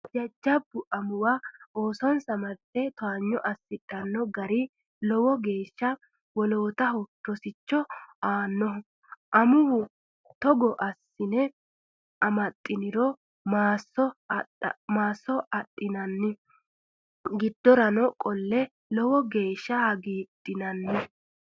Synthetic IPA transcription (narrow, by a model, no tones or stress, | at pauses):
d͡ʒɐd͡ʒːɐbːʊʔɐmʊwaoːsɔnsɐmɐt̪ʼːɛt̪ɔaːɲːɔʔɐsːɪᶑʼɐnːɔɡɐɾɪ | lɔwɔɡe̞ːʃːɐ | wɔloːt̪ɐɦɔpːɔsɪt͡ʃːɔaːnːɔ | ʔɐmʊwʊ | t̪ɔɡɔʔɐsːɪnɛ | ʔɐmɐt̪ʼːɪnɪɾɔ | maːsɔ | maːsɔɐtʼːɪnɐnːɪ | ɡɪd̪ːɔɾɐnɔkʼɔlːɛ | lɔwɔɡe̞ːʃːɐɐɡiːt̪ʼːɪnɐnːɛ